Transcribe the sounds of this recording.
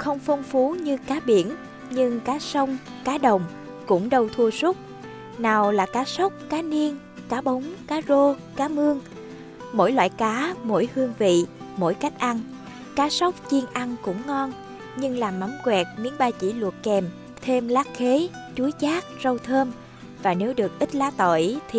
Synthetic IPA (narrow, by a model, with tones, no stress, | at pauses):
xə˧wŋ͡mfə˧wŋ͡mfu˨˦ɲɨ˧kaː˨˦ɓi˧˩ən | ɲɨ˧ŋkaː˨˦sə˧wŋ͡m | kaː˨˦ɗə˨˩wŋ͡m | kʊ̰˧˥ŋ͡mɗə˧wt̪ʰu˧əsʊ˦˥k͡p̚ | naː˨˩wlaː˨˩kaː˨˦sə˦˥wk͡p̚kaː˨˦ni˧ən | kaː˨˦ɓə˨˦wŋ͡mkaː˨˦zo˧kaː˨˦mɨ˧əŋ | mo̰˧˥jlwa̰ː˧˨jkaː˨˦mo̰˧˥jhɨ˧əŋvḭ˧˨mo̰˧˥˨jka˦˥jk̟̚ʔa˧n | kaː˨˦sə˦˥wk͡p̚t͡ɕi˧ənʔa˧ŋkʊ̰˧˥ŋ͡mŋɔ˧n | ɲɨ˧ŋlaː˨˩mːa˨˦mkwɛ˨˩t̚mi˨˧˦əŋɓaː˧t͡ɕḭ˧˩lwə˨˩t̚kɛ˨˩m | t̪ʰe˧mlaː˦˥k̚xe˨˦ | t͡ɕu˨˦jt͡ɕaː˦˥k̚zə˧wt̪ʰəː˧m | vaː˨˩ne˨˦wɗɨ˨˩ək̚ʔi˦˥t̚laː˨˦t̪o̰˧˨jt̪ʰi˨˩